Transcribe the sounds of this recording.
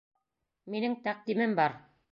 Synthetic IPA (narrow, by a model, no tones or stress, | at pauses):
minɘŋt̪æq̚d̪imɘmbɑɾ